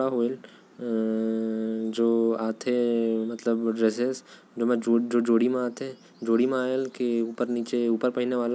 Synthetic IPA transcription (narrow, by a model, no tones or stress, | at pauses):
ɽaɦoːel | d͡ʒoːaːt̪ʰemɐt̪ləbɖɾeːses | d͡ʒoːmɛ̃d͡ʒod͡ʒoːd͡ʒoːɽimẽaːt̪ɦɛ | d͡ʒoːɽimẽaːelkeuːpəɾniːt͡ʃeuːpəɾpɐɦineʋaːla